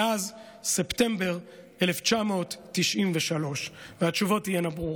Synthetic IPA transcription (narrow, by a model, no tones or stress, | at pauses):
ʔaz | septe̞mbe̞ʁ | eleft͡ʃamo̞ːtːiʃʔimveʃalo̞ʃveat͡ʃuvo̞thijenabʁuʁ